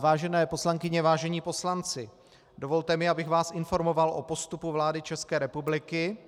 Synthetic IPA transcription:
vaːʒɛnɛːpo̞slaŋkɪɲɛvaːʒɛɲiːpo̞slant͡sɪ | do̞vo̞lt̪ɛmɪabɪɣvaːsʔɪnfo̞ɾmo̞valʔo̞po̞st̪upuvlaːdɪt͡ʃɛskɛːɾɛpublɪkɪ

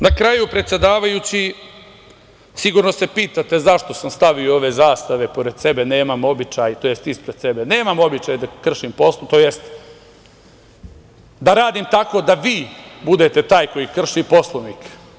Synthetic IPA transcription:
nakɾajupɾet̪sʲje̞d̪aːʋajut͡ɕi | siɡuːɾno̞se̞piːt̪at̪e̞zaʃt̪o̞samst̪aʋioo̞ʋe̞zaːst̪aʋe̞po̞ɾe̞d̪̥se̞be̞neːmamo̞bit͡ʃajt̪ojest̪ispɾed̪se̞bene̞ːmamo̞bit͡ʃajd̪akr̩ʃimpo̞slt̪oːjest̪ | d̪aɾaːd̪imt̪ako̞d̪aʋiːbud̪e̞t̪e̞t̪aːjko̞jikr̩ʃipo̞slˠonik

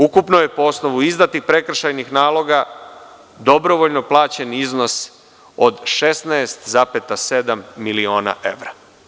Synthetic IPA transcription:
ukupnoje̞poo̞sno̞ʋuizd̪at̪ipɾe̞kr̩ʃajnixnaːlˠo̞ɡa | d̪o̞bɾo̞ʋo̞ʎno̞plˠaːt͡ɕe̞nizno̞s | od̪ʃe̞snaest̪zapet̪ase̞d̪amːilio̞ːna̰ʔe̞̰ʋɾa

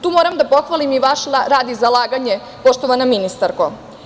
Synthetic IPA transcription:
t̪uːmo̞ɾamd̪apo̞xʋalimiʋaʃɾaːd̪izalˠaːɡaɲe | po̞ʃt̪oʋanaminist̪aɾko

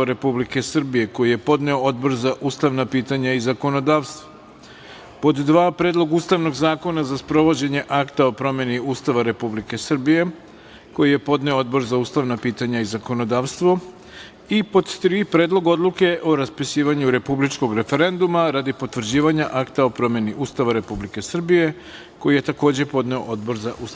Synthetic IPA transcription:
aɾe̞publike̞sr̩bije̞ko̞jije̞po̞d̪neood̪bo̞ɾzaʔuːst̪aʋnapiːt̪aɲaizako̞no̞d̪aːʋst̪ʋo | po̞d̪ːʋaːpɾed̪lˠo̞ɡuːst̪aʋno̞ɡzaːko̞nazaspɾo̞ʋo̞d͡ʑe̞ɲe̞ʔakt̪ao̞pɾo̞mjeniuːst̪aʋaɾe̞publike̞sr̩bije̞ | ko̞jije̞po̞d̪ne̞oo̞d̪bo̞ɾzauːst̪aʋnapiːt̪aɲaizako̞no̞d̪aːʋst̪ʋo̞ | ipo̞d̪t̪ɾipɾeːd̪lˠo̞ɡo̞d̪lˠuke̞ʔo̞ɾaspisiːʋaɲuɾe̞publit͡ʃko̞ɡɾe̞fe̞ɾe̞nd̪umaɾad̪ipo̞t̪ʋr̩d͡ʑiːʋaɲaʔakt̪ao̞pɾo̞mje̞niʔuːst̪aʋaɾe̞publike̞sr̩bije̞ | ko̞jije̞t̪ako̞ːd͡ʑe̞po̞d̪ne̞o̰ʔod̪bo̞ɾzaʔus

